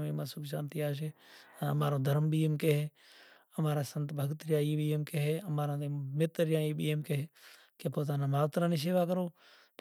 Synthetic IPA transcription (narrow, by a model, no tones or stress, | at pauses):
memãːsʊkʃaːnt̪iːaːʃ̬eːəmaːɾõːd̪ʱəɾmɓiːemkeɦeː | əmaːɾaːsənt̪bʱəɡt̪ɾjãːiːɓiːemkeɦeːəmaːɾãːt̪emɪt̪ɾjãːiːɓiːeːmkeɦeː | keːpoːt̪aːnãːmaːʋt̪ɾãːniːs̬eːʋaːkəɾoː